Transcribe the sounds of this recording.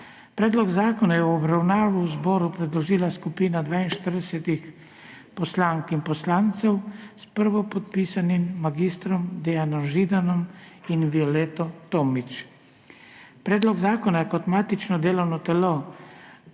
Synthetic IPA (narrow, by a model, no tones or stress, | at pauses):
pɾɛːd̪lɔɡzaːkɔnajɛwɔbɾawnaːʋuuzbɔːɾupɾɛd̪lɔʒiːlaskupiːnad̪ʋaːinʃt̪əɾd̪ɛsɛt̪ix | pɔslaːŋkimpɔslaːnt̪sɛwspəɾʋɔpɔt̪̚piːsanimːaɡist̪ɾɔmd̪ɛjanɔmʒid̪anɔm | inʋiɔlɛt̪ɔt̪oːmit͡ʃ | pɾɛːd̪lɔɡzaːkɔnajɛkɔt̪maːt̪it͡ʃnɔd̪eːlɔwnɔt̪ɛlo